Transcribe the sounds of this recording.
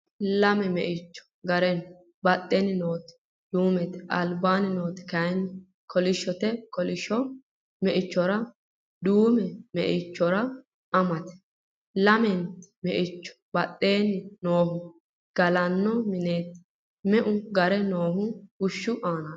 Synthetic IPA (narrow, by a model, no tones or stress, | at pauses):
lɐmɛmɛ̰ʔɪt͡ʃːɔ̥ɡɐɾɛn | bɐt̪ʼːɛnɪno̞ːt̪ | d̪̥uːmɛt̪ɐ̰lbaːnɪno̞ːt̪ɪ̥kɐjn | kʰɔlɪʃːɔt̪ɛkɔlɪʃɔ | mɛʔɪt͡ʃːɔɾɐ | d̪uːmɛmɛ̰ʔɪt͡ʃːɔɾɐ | ʔɐmɐt̪ɛ̥ | lɐmɛnt̪mɛʔɪt͡ʃːɔ̥b̥ɐt̪ʼːe̞ːnɪnoːhʊ | ɡ̥ɐlɐnːɔmɪneːt̪ | mɛʔʊɡɐɾɛno̞ːɦʊʊʃːʊʔaːnaː